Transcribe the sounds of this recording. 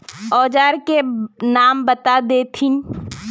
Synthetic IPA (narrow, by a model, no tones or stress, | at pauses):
ɔːd͡ʒaːɾkenaːmbət̪ad̪eːt̪ʰɪn